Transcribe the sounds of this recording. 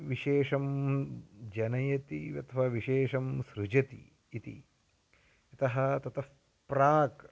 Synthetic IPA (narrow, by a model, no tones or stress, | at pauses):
ʋiʃeːʂɐm | d͡ʒɐnɐjɐt̪iʋɐt̪ʰɐʋɐʋiʃeːʃɐmsɾud͡ʒɐt̪ḭː | t̪ḭ | ɐt̪ɐɦɐ̆t̪ɐt̪ɐf | pɾaːk